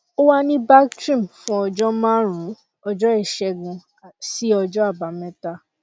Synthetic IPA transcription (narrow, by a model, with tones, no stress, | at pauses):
o˦wa˦nĩ˦ba˦ktɾĩ˦˨mfũ˦ɔ˧d͡ʒɔ˦mãː˦ɾ̃ũ˨˦ | ɔ˧d͡ʒɔ˦ɛ˦˨ʃɛ˧ɡũ˧˨ | si˦ɔ˧d͡ʒɔ˦a˦˨ba˨˦mɛ̃˦ta˦